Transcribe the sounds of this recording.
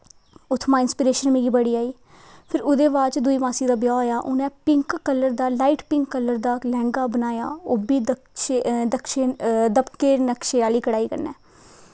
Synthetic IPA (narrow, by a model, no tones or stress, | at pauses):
ʊt̪ʰːmãːɪnspiːɾeːʃənmẽːɡiːbəɽiːaːiː | pʰɪɾʊd̪eːʋaːt͡ʃd̪uiːmaːsiːd̪aːbjaːoːjaːʔʊnɛ̃ːpɪŋkːələɾd̪aːlaːiːʈpɪ̃ŋkːələɾd̪aːlɛ̃ːŋɡaːbənaːja̰ːoːbiːd̪ | ʃed̪əkʃeːd̪əbkeːnəkʃeːaːliːkəɽaːiːkə̰ɾnɛ̰ː